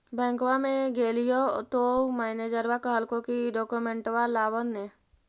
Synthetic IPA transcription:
bɛ̃ːŋkwamẽɡeːlijot̪omaːned͡ʒəɾʋakəɦəlkokiɖɔːkumẽɳʈʋalaːwənnːẽ

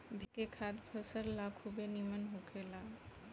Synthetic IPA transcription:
bʱekekʰad̪bʱəsəɾlakʰubenimənɦũkʰela

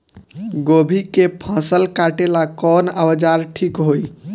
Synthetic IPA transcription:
ɡobʱikepʰə̃səlkaʈelakɔnəwəd͡ʒaɾʈʰikɦoj

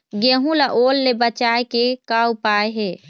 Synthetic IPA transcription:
ɡeɦũlaʔoːlːebət͡ʃaːekekaupaːeɦe

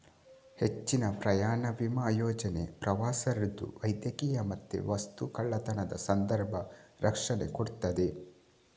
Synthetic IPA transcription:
het͡ʃːinɐpɾɐjaːɳɐʋimaːjɔːd͡ʒɐne̞̰pɾɐʋaːsɐɾid̪ṵʋɐjd̪jɐkiːjɐmɐt̪ːḛʋɐst̪ukɐɭːɐt̪ɐnɐd̪ɐsɐnd̪ɐɾbʱɐɾɐkʂɐnḛkoɽt̪ːɐd̪e̞

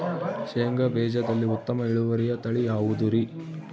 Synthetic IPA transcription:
ʃeŋɡɐbɛːd͡ʒɐd̪ɐlːiut̪ːɐmɐiɭuʋɐɾijɐt̪ɐɭijaːʋud̪uɾi

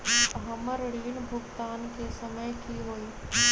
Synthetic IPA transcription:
ɦɐməɾɽiːnbʱʊkt̪aːnkʰesɐməjkʰiɦoːiː

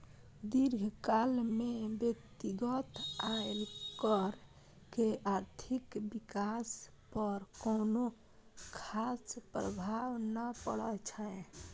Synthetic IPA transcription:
d̪iɾɡʱkalmebjəkt̪iɡət̪aelkəɾ | keʔaɾt̪ʰikbikas | pəɾkono | kʰaspɾə̰bʱawnəpəɽət͡ʃʰə

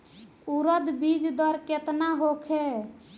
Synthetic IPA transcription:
uɾəd̪bid͡ʒd̪əɾket̪naɦokʰe

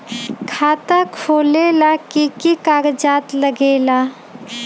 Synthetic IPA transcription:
kʰaːt̪akʰoːlelakikikaːɡd͡ʒaːt̪ləɡeːla

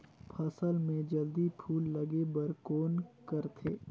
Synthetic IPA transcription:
pʰɐsəlmẽd͡ʒɐld̪ipʰuːlːɐɡebəɾkoːnkəɾt̪ʰeː

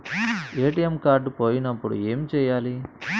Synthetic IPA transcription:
eːʈijemkaːɾɖpoːjinɐpːuɽṵe̞ːmit͡ʃɛːjaːli

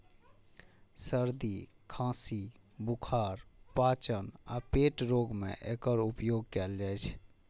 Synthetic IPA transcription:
səɾd̪i | kʰãsi | bukʰaɾpat͡ʃəna̰peʈɾoɡmḛʔekəɾupjoɡkɛld͡ʒajt͡ʃʰ

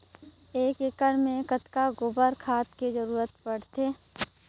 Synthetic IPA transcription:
eːkekəɽmẽkət̪kaɡʊbəɾkʰaːt̪ked͡ʒəɾuːɾət̪pəɽ̤t̪eː

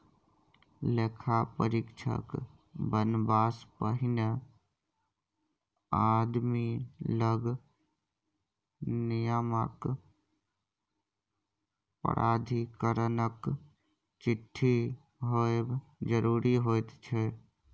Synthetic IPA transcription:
leːkʰapə̰ɾɪkt͡ʃʰə̰k | bənbaːspəɦɪnə | aːd̪miləɡ | nɪjəmə̰k | pə̰ɾʔaːd̪ʱikəɾənək | t͡ʃɪt̪ʰːi | ɦoebd͡ʒəɾuːɾiɦoːjt̪t͡ʃʰe

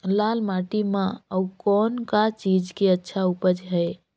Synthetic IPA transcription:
lalmaʈimãəukɔnkat͡ʃid͡ʒkeətːʃʰaupəd͡ʒɦəj

